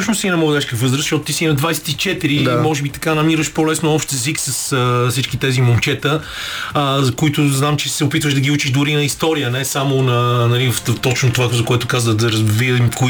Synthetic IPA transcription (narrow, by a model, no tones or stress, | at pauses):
sɔʃnʊst̪inɛmɔɡəd̪ɛʃkəvɤzɾəsʃɔt̪ʊt̪isinɐd̪vajsɛ̥t̪it͡ʃɛt̪iɾimɔʒɛbit̪ɐ̥kanɐmiɾəʃpɔlɛsnʊɔpʃt̪ɛziksɐsəsit͡ʃkit̪ɛzimont͡ʃɛt̪ə | əzkoit̪ʊznamt͡ʃɛsɛopit̪vəʒd̪ɐɡiut͡ʃiʒd̪ʊɾinɐist̪ɔɾijənɛsamonɐnɐlivft̪ɔt͡ʃnot̪ovazɐkoɛt̪ʊkazəd̪ɐɾɐzvimko